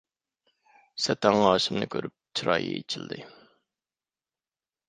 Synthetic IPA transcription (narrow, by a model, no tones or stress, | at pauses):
sɛt̪æŋɑːʃɪmnɨkʲʰøɾyp̚t͡ʃʰɾɑ̰ːjḭet͡ʃʰild̪ɪ